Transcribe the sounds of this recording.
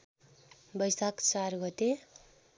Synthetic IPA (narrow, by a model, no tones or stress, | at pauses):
bʌjsakt͡sarɡʌt̪e